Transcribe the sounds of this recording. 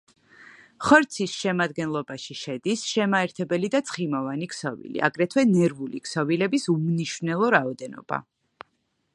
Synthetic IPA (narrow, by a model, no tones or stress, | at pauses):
χɔɾt̪sʰisʃɛmad̪ɡɛnlˠɔbaʃiʃɛd̪isʃɛmaɛɾt̪ʰɛbɛlid̪at̪sʰχimɔvaniksɔvḭlḭʔa̰ɡɾɛt̪ʰwɛnɛɾvulikʰsɔvilɛbisumniʃvnɛlˠɔɾaɔd̪ɛnɔ̰b̥a̰